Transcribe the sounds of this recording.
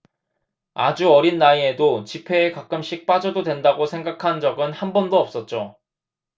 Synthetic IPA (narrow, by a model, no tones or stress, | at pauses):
a̰d͡ʑuʌɾinːaiedot͡ɕipʰe̞ːkak͈ɯmɕ͈ik̚p͈ad͡ʑʌdodwe̞ndaɡosʰe̞ŋɡakʰand͡ʑʌɡɯnhanbʌndoʌp̚s͈ʌt̚t͡ɕ͈o